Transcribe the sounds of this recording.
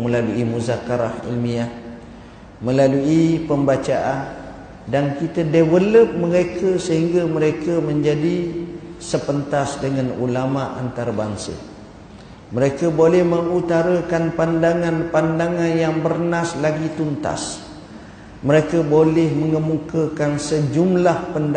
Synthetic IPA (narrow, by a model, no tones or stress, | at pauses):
məlaluimuzakaɾahḭlmia | mə̃laluipəmbat͡ʃaʔan | dankit̪ədewələp̚məɾekʰəsəɦiŋɡaməɾekəmə̃ɲd͡ʒadisəpənt̪asdəŋanṵlamaʔa̰nt̪aɾabaŋsə̰ | məɾekəbolɛhməŋut̪aɾakanpandaŋanpandaŋanjaŋbərnaslaɡit̪unt̪a̰s | məɾekəbolɛhməŋəmukəkansəd͡ʒumlahpənd